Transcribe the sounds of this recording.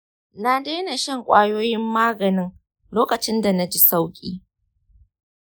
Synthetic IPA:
na˦deː˦na˨ʃɛ˦ŋkʷʼaː˦joː˦jɪ˦mːaː˦ɡɐ˨nɪ˦ŋ | loː˦kɐ˨t͡ʃɪ˦nda˨na˦d͡ʒi˦sa˦wkʲʼḭː˦

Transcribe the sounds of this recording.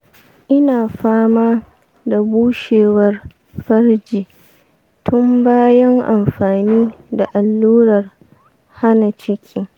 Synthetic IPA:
ʔɪ˦naː˨ɸaː˦maː˦ | da˨buː˦ʃeː˨wɐ˦r | ɸɐ˦rd͡ʒiː˨ | tʰʊ˦mbaː˦jɐ˦ŋʔa˨mɸaː˨niː˦da˨ʔa˨lːuː˦ɾɐ˨r | ha˦na˨t͡ʃɪ˦kʲʰiː˦

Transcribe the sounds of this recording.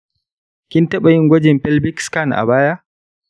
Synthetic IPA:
kʲɪ˦ntɐ˦ɓa˨ji˦ŋɡʷɐ˦d͡ʒɛ˨mɸɛ˦lbɪ˦kska˦˨nʔa̰˨baː˦ja˦

